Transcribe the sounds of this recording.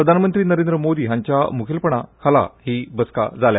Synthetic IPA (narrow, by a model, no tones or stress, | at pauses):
pɾəd̪ʱanmənt̪ɾiːnəɾend̪ɾəmod̪iːɦãɲt͡ɕjamukʰilpəɳa̰kʰala̰hiːbəska̰d͡zalja